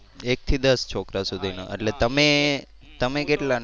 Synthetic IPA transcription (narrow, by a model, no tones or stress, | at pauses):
ek̚t̪ʰid̪əst͡ʃʰokɾasud̪ʱina̰ʔə̰ʈlet̪əme | t̪əmekeʈlan